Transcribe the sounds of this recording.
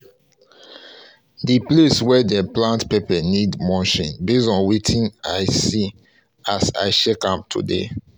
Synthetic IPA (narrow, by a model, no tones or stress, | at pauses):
dipleswɛdɛplãntpepɛnidmɔ̃nʃĩnbesɔ̃nwitʰĩnaɪsi | asa̰ɪʃɛkãp̚tʰṵdḛ